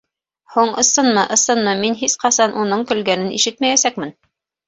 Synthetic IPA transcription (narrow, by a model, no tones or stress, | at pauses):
huɴɤ̆sɤnmɤʔɤ̆sɤnmɤminɦisqɑsɑnʔunɤɴkɵ̆lɡænɘnḭʃɘt̪mæjæsæk̚mɘn